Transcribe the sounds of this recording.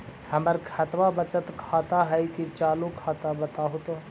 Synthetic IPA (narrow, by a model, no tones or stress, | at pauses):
həməɾkʰət̪ʋabət͡ʃət̪kʰaːt̪aɦɛjkit͡ʃaːlukʰːaːt̪abət̪aːɦʊt̪o